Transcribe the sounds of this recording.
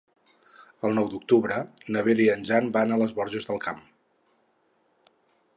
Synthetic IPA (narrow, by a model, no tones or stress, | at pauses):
əlˠnɔwd̪uk̚t̪uβɾənəβ̞eɾiənʲʒanbanaləzβɔɾʒəzðəlˠkam